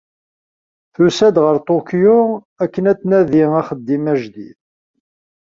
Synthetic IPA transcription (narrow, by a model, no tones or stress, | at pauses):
θusæd̪ʁəɾt̪ˤokju | ækːənæt͡sːnæðiæχəd̪ːimæʒd̪ḭð